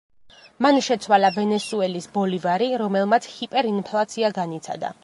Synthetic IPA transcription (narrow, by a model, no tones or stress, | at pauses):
manʃɛt̪sʰwalavɛnɛsuɛlisbɔlivaɾiɾɔmɛlˠmat̪sʰhipʼɛɾinpʰlˠat̪sʰiaɡanit̪sʰa̰d̪a̰